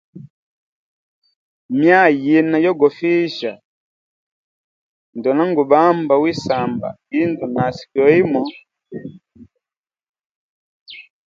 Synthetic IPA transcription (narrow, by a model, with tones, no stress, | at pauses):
mja˦˨ji˨na˨jɔ˦ɡɔ˨fi˦ʃa˨ | ndɔ˨na˦ŋɡu˨ba˦mba˨wi˦sa˨mba̰˨i˦ndɔ˨na˨si̥˨kɔ˨˦i˦mɔ˨